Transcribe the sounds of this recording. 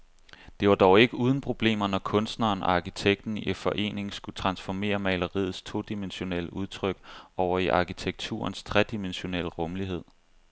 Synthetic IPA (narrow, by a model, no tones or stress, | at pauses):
d̥e̝ʋɑ̈d̥ɒʊe̝ɡ̥əuːð̞ˠn̩pʰʁo̝b̥le̝̰ːmɐnɒkʰɔ̽nsd̥nɐːnɑ̈kʰit͡sʰeɡ̥̚d̥n̩iefɒ̽ʔe̝̰ːne̝ŋsɡ̥ut͡sʰʁɑ̈nsfɒme̝̰ːɐmɛɪlɐʁḭð̩ˠst͡sʰo̝̰d̥imenɕo̝nel̰əʔuð̞ˠt͡sʰʁœɡ̥ɒʊɐiʔɑ̈kʰit͡sʰeɡ̥̚t͡sʰṵːɐnst͡sʰʁɛd̥imenɕo̝nel̰əʁɔ̽mliɦe̝ð̞̰ˠ